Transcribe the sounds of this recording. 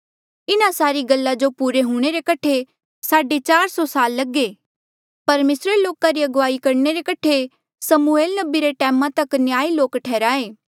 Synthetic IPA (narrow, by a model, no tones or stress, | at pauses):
ɪnasaːɾiɡɐlːad͡ʒopuːɾeɦuːɽ̃eɾekɐʈʰe | saːɖet͡ʃaːɾsɔsaːlːɐɡeː | pɐɾmeːsɾeloːkaɾiɐɡʋaːikɐɾɳeɾekɐʈʰe | sɐmueːlnɐbiɾeʈɛːmãt̪ɐknjaːiloːkʈʰɛːɾaːeː